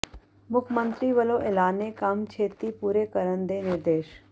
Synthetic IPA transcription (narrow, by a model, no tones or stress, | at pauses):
mʊkʰmənt̪ɾiʋəloʔelaːnekamt͡ʃʰeːt̪ipuːɾekəɾənd̪enɪɾd̪eːʃ